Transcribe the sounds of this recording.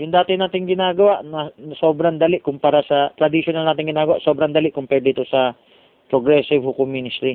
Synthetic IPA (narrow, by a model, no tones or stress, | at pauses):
jʊŋd̪aːt̪ɪnaːt̪ɪŋɡɪnaːɡɐwaʔnɐnɐso̞ːbɾand̪alɪʔkʊmpaːɾasɐt̪ɾɐd̪ɪsjonalnaːt̪ɪŋɡɪnaːɡɐwa̰ʔsoːbɾand̪alɪʔkʊmpɛɹd̪iːt̪osɐ | pɾoɡɾɛsɪvhʊkominɪst̪ɾi